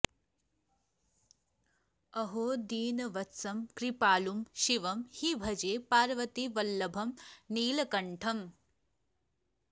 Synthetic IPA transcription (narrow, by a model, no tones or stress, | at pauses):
ɐɦoːd̪iːnɐʋɐt̪sɐmkɾipaːlumʃiʋɐmhibʱɐd͡ʒeːpaːɾʋɐt̪iʋɐlːɐbʱɐmniːlɐkɐɳʈʰɐm